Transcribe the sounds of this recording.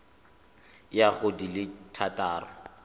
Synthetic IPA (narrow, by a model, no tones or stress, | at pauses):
jaχodilɪtʰatʼaːrɔ